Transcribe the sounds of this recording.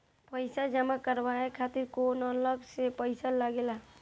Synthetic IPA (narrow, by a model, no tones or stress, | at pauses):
pəɪsad͡ʒəmakəɾbaekʰaːt̪ɪɾkonɔləɡsepəɪsalaɡela